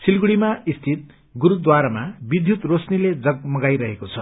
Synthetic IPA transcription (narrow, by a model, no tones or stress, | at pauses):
silɡuɽimaist̪ʰit̪̚ | ɡuɾud̪waɾamabid̪ʱjut̪rosniled͡zʌɡ̚mʌɡajɾʌɦekot͡sʰʌ